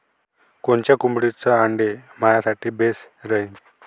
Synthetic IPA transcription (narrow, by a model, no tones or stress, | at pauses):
kont͡ɕjakumbɽit͡səaɳɖemajasaʈiːbes | ɾəin